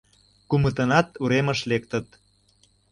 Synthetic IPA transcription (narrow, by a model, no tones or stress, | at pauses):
kumət̪ənɑt̪uɾeməʃlekt̪ə̆t̪